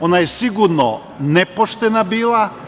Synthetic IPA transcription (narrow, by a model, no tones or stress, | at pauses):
onajesiɡuɾno̰ | nepoʃt̪enabiːlˠa